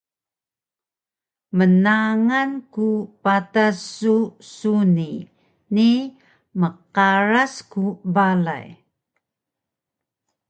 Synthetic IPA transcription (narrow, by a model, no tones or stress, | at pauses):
mənaŋankupatasusuni | ni | məqaɾaskubala̰j